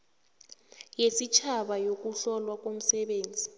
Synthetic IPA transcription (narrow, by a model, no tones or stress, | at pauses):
jesit͡ʃʰaɓajok̬ʼuɬɔlwak̬ʼom̩sɛɓeːnd͡zʱi